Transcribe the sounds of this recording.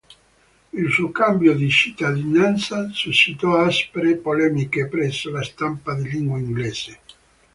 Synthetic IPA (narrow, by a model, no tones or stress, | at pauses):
ilsuokambjod̪it͡ʃit̪ːad̪inant̪sasuʃːit̪ɔaspeɾepolɛmikepɾɛsːolast̪ampad̪elːiŋɡwaiŋɡlɛːse